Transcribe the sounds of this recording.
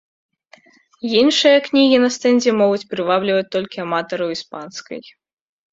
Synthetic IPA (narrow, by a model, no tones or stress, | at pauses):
inʂɨjɐknʲiɣʲinɐst̪ɛnʲzʲɛmɔɣut͡sʲpɾɨvablʲivɐt͡sʲt̪ɔlʲkʲiɐmat̪ɐɾɐwispanskɐ̰j